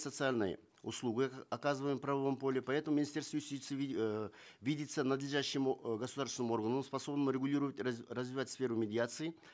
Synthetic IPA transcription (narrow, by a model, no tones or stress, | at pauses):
sət̪sɨalʲnə̰j̰ | ʊ̰slˠuɡɨɐkazɨvəjmpɾɐvɐvompo̞lʲɪpɐɛt̪əmʊmʲɪnʲɪsʲt̪ʲe̞rst̪vəjʊsʲt̪ʲit̪sɨ | vʲidʲɪt̪sənəd̪lʲɪʐaɕːɪmɡəsʊd̪arsʲɪnəmʊo̞rɡənəmspɐso̞bnəmʊɾʲɪɡʊlʲiɾəvətʲirəzvʲɪvatʲsfʲe̞ɾʊmʲɪdʲɪat̪sɨɪ